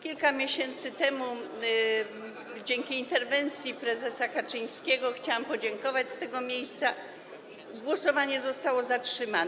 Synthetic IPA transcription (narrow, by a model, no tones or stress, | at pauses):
kʲilkamʲjeɕɛnt̪sɘt̪ɛmu | d͡ʑɛŋkʲiːnt̪ɛɾvɛnt̪sʲjipɾɛzɛsakat͡ʂɘɲ̃skʲɛɡɔxt͡ɕawampɔd͡ʑɛŋkɔvat͡ɕst̪ɛɡɔmʲjejst̪sa | ɡwɔsɔvaɲɛzɔst̪awɔzatʂɘman